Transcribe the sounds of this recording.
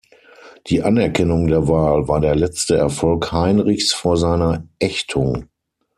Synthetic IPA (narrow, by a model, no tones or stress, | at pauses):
d̥iːʔanɛɐkʰɛnʊŋdeːɐvaːlvaːɐdeːɐlɛt͡stəɛɐfɔlkhaɪnʁɪçsfoːɐzaɪnɐʔɛçtʰʊŋ